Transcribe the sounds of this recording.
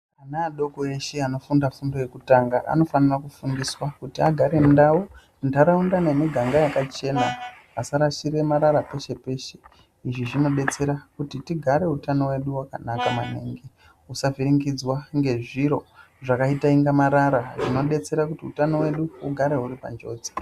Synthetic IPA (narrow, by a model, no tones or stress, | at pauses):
anaːɗo̞koeʃe̞ano̞fundafundo̞je̞kutaːŋɡaʔa̰no̞fanirakufundiswakutiaɡʱaɾe̞ndawo | ndaɾaundane̞miɡʱaŋɡajakat͡ʃe̞na | asaɾaʃiɾe̞maɾaɾape̞ʃe̞pe̞ʃe̞̥ | iʐiʐino̞ɗe̞t͡se̞ɾakutitiɡʱaɾe̞utano̞we̞ɗuwakanakamanḛːŋɡe | usaviɾiŋɡid͡zwaŋɡe̞ʐiɾo̞ | ʐakaitaiŋɡamaɾaɾaʐino̞ɗe̞t͡se̞ɾakutiutano̞we̞ɗuuɡʱaɾe̞ɦuɾipa̰nd͡ʒo̞ːd͡zi̥